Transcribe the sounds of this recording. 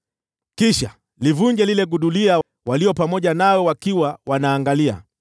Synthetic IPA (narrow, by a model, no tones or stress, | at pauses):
kiʃa | livuɲd͡ʒɛlilɛɡuɗulia | waliɔpamɔʄanawɛwakiwawanaːŋɡalia̰